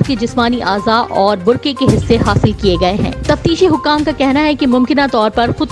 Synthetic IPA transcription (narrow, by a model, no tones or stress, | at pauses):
ked͡ʒɪsmaːniʔaːzaːʔɔːɾbʊɾkekeɦɪsːeɦaːsɪlkieɡɐeɦɛ̰̃ːt̪ɐft̪iːʃeɦʊkːaːmkakɛɦnaɦɛkemʊ̃mkɪnat̪ɔːɾpɐɾxʊd̪̚